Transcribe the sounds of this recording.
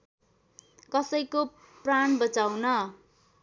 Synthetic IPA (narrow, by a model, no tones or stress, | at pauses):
kʌsʌjko | praɳbʌt͡sawnʌ